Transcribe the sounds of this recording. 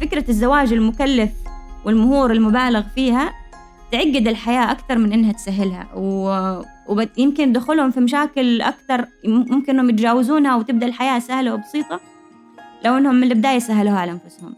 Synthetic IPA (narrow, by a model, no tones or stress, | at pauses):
fɪkɾazːawaːd͡ʒɪlmʊkalːafwɪlmʊhuːɾɪlmʊbaːlɪɣfiːha | t̪ʕaɡːɪd̪ɪlħajaːʔakt̪ɑɾˤmɪnʔɪnːhat̪saɦːɪlha̰w | wbjɪmkɪnd̪xʊlhʊmfimaʃ̬aːkɪlʔa̰kt̪ɑɾˤmʊmkɪnʔɪnːhʊmjɪt̪d͡ʒaːwɪzuːnhawt̪ɪb̚d̪aʔlħajaːsahlawbɑsˤiːt̪ˤɑ | lawʔɪnːhʊmːɪnlɪb̚ɪd̪aːjasaɦaluhʕalaʔanfʊshʊm